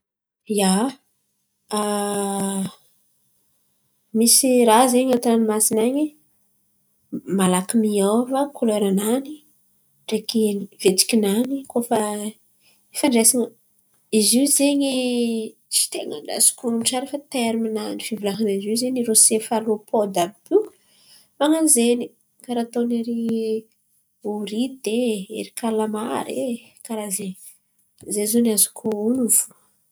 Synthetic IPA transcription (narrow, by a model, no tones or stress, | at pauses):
ja | a | misirazeɲat̪animasinaɲi | malakimiawvakʰoleɾanani | ɖ͡ʐekinvet͡si̥kʲinanikofa | efaɳɖ͡ʐesiɲə | iziwzeɲi | t͡ʃi̥t̪eŋa̰ɳɖ͡ʐa̰zu̥kʲuumʈ͡ʂaɾefat̪eɾiminanifivilaɦaniziwzeɲiɾosefalopʰod̪abu̥ | maŋanzeni | kaɾat̪oneɾi | uɾid̪eḛɾikalamaɾe | kaɾazeɲi | zezonazu̥kʰuunuvu